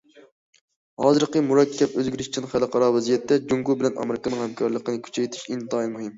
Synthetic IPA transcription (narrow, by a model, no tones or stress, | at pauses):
hɑːzɨɾqəmuɾɑkʲʰːɛpøzɡʲyɾɪʃt͡ʃʰinχælˠɨqʰɑɾɑwɛzijɛt̪ʰːɛd͡ʒuŋkubɪlɛnʔɑ̰mæɾɪkɑnɨŋhɛmkʰɑɾlˠəqənɨkʲʰy̥t͡ʃʰɛjt̪ʰɪ̥ʃint̪ʰɑinmuhɨm